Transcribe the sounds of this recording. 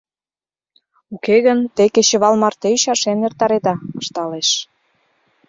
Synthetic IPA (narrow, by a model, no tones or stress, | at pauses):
ukeɣənt̪ekeɕĕβɑlmɑrt̪eyʃɑʃenert̪ɑɾed̪ɑəʃt̪ɑleʃ